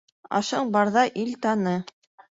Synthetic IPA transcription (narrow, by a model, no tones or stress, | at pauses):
ɑ̰ʃɤɴbɑɾðɑʔilt̪ɑnɤ